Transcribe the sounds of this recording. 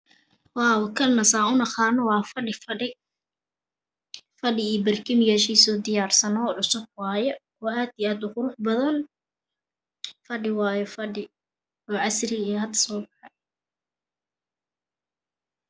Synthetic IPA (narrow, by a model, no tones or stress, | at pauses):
wɑːwɐkʰɐlnɐsaːʊnɐχɑːnɔwɑːfɐɖɪfɐɖɪ | fɐɖɪiːbɐrkʰɪmɪjaːʃiːsɔːd̪ɪjaːrsɐnɔʕʊsʊb̚wɑːjɔ | ɔːaːd̪iaːd̪ʊqʊɾʊħbɐðɐn | fɐɖɪwɑːjɔfɐɖɪ | ɔːʕɑsrɪɛhɐd̪sɔːbɑħɑj